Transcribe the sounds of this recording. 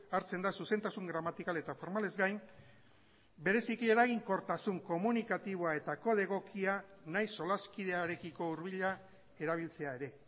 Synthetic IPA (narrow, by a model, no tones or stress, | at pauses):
aɾt͡se̞nd̪asuse̞nt̪asuŋɡɾamat̪ikale̞t̪afo̞ɾmale̞zɡajn | be̞ɾe̞sikie̞ɾaɣ̞iŋko̞ɾt̪asuŋko̞munikat̪iβ̞oae̞t̪ako̞ð̞e̞ɣ̞o̞kʰianajso̞laskið̞e̞aɾe̞kiko̞uɾβ̞iʎa | e̞ɾaβ̞ilt͡se̞ae̞ɾe̞